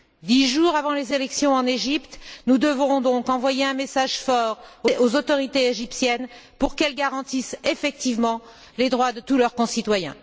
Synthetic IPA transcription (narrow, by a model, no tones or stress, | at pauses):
d̪iʒuʁavɑ̃lezelɛksjɔ̃ɑ̃neʒipt̪nud̪əvʁɔ̃d̪ɔ̃kɑ̃vwajeɛ̃mesaʒfɔʁoozot̪ɔʁit̪eeʒipsjɛnpuʁkɛlɡaʁɑ̃t̪isefɛk̚t̪ivmɑ̃ | led̪ʁwad̪ət̪ulœʁkɔ̃sit̪wajɛ̰̃